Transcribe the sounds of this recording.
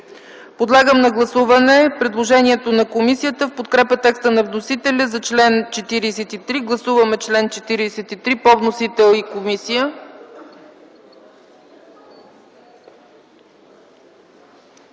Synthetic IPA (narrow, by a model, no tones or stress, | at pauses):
pod̪lˠaɡəmnɐɡlˠɐsuvɐnɛpɾɛd̪lˠoʒɛniɛt̪onɐkomisijət̪əfpot̪kɾɛpət̪ɛkst̪ənɐvnosit̪ɛlʲəzɐt͡ʃlɛnt͡ʃɛt̪iɾisɛt̪it̪ɾiɡlˠɐsuvɐmɛt͡ʃlɛnt͡ʃɛt̪iɾiːsɛt̪it̪ɾipovnosit̪ɛlˠikomisijə